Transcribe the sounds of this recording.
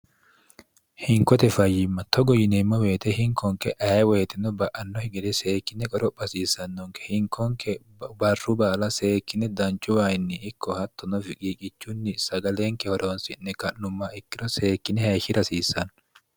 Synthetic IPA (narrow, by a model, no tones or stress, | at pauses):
hɪŋkɔt̪ɛfɐjːɪmːɐt̪ɔɡɔjɪnemːɔweːt̪ɛhɪŋkɔŋkɛʔɐɛweːt̪ɛnɔbɐʔɐnːɔhɪɡɛd̪ɛseːkːɪnːɛkʼɔɾɔpʼːɐsiːsɐnːɔŋkɛ̥hɪŋkʰɔŋkɛ | bɐrːʊbaːlɐse̞ːkːɪnɛd̪ɐnt͡ʃːʊwaːjɪnːɪʔɪkːɔhɐt̪ːɔnɔfɪkʼiːkʼɪt͡ʃːunːɪsɐɡɐleːŋkɛhɔɾoːnsɪnːɛkɐʔːʊmːɐɪkːɪɾɔseːkːɪnɛheːʃɪɾɐsiːsɐn